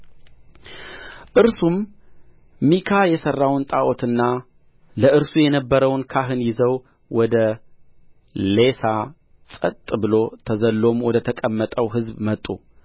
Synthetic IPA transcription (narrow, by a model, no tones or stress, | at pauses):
ʔɨɾsumː | ikʰajɛsərːawnt̪ʼaʔo̞t̪ʰɨnːa | ləʔɨɾsujɛnəbːəɾəwnkʰaɦɨnjɪzəw | wɔd̪ə | le̞sa | t͡sʼət̪ʼbɨlo̞t̪ʰəzəlːo̞mwɔd̪ət̪ʰəkʼəmːət̪ʼəwɦɨzbmət̪ʼːṵ